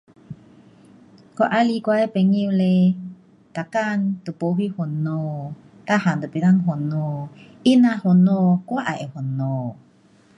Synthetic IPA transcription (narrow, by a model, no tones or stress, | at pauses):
koʔalikwajpeŋiwle | t̪akant̪upowihuno | t̪aɦant̪upilaŋɦonoʔinahonokwaʔaʔehono